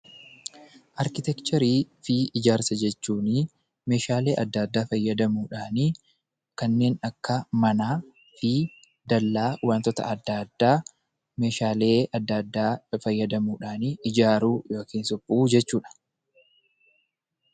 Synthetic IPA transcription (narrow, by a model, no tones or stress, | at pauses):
ʔɐɾkɪt̪ɛkt͡ʃɛɾiːfɪɪd͡ʒaːɾsɐd͡ʒɛt͡ʃːuːni | me̞ːʃaːle̞ːʔɐd̪ːaːd̪ːaːfɐjːɐd̪ɐmuːᶑaːni | kɐnːe̞ːnɐkːɐmɐnaː | fɪ | d̪ɐlːaːwaːnt̪ɔt̪ɐ̰ʔɐd̪ːaːd̪ːaː | me̞ːʃaːle̞ːɐd̪ːad̪ːaːfɐjːɐd̪ɐmuːᶑaːniʔɪd͡ʒaːɾuːjo̞ːkiːnsɔbːʊʔuːd͡ʒɛt͡ʃːuːᶑɐ̥